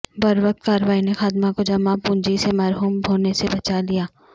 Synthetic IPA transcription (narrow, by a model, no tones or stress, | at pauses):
bɐɾʋək̚t̪̚kaːɾəʋaːinexaːd̪makod͡ʒɐmapũːɲd͡ʒisemɛːɾɦuːmbʱoːnesebɐt͡ʃalijaː